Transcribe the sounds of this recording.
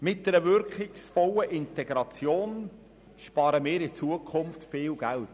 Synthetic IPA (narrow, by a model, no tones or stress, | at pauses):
mɪt̚d̥ɛɾəvʏɾkχɪksfɔləʔɪntɛɡ̥ɾɑt͡sjoːn | ʃpɑːɾəmɪːɾɪt͡suəkʰʊnftfɪːlɡ̥ælt